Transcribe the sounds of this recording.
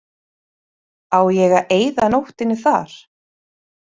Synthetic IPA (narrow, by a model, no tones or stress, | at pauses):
aːwjɛɣaʔeːjðanowht̪ɪnːɪθa̰ɾ̥